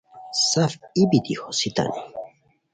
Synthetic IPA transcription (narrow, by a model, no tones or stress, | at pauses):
safibit̪ixosit̪a̰ni